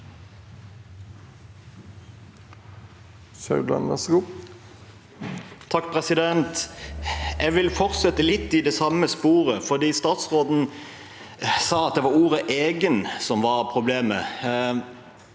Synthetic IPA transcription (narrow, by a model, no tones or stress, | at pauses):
ʃɑʉlɑ̰nʋæʁsɡuː | t̪ʰɑkpʰʁɛsɪd̪ɛnt̪ | ʔɛɡʋɪlfɔʁsɛt̪əlɪt̪ːɪd̪ɛːsɑməspuːʁəfɔd̪iːst̪ɑːt̪sʁoːd̪n̩ | sɑːɑt̪̚d̪ɛʋɑːʁuːʁəʔeːɡənsɔmʋɑʁpʰʁʊbleːmə